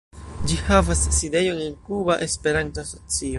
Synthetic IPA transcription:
d͡ʒihavasːide̞jo̞nenkubaʔespe̞ɾantoaso̞t͡sio̞

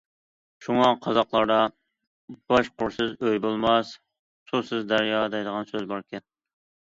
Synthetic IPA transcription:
ʃuŋɑqʰɑzɑqlˠɑɾd̪ɑ | b̥ɑʃqʊɾsɪzøjbolˠmɑs | susɪzd̪æɾjɑd̪ɛjd̪əʁɑnsøzbɑɾkʲɛn

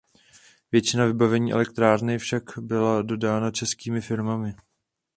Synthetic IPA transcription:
vjɛt͡ʃɪnavɪbavɛɲiːʔɛ̰lɛkt̪ɾaːɾnɪfʃakbɪlado̞daːnat͡ʃɛskiːmɪfɪɾmamɪ

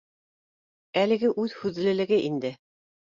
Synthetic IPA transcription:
ælɘ̆ɡɘʔʉðhʉðlɘ̆lɘ̆ɡɘʔind̪ɘ

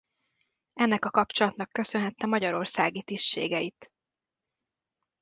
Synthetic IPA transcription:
ɛnːɛkɒkɒp̚t͡ʃo̞lɒt̪nɒkːø̞sø̞nɦɛt̪ːɛmɒɟɒɾo̞rsaːɡit̪iʃʃḛːɡɛit̪

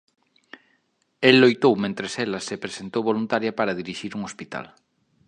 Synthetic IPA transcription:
elːojt̪owmẽnt̪ɾeselasepɾesent̪owβolunt̪aɾjapaɾaðiɾiʃiɾuŋospit̪a̰l

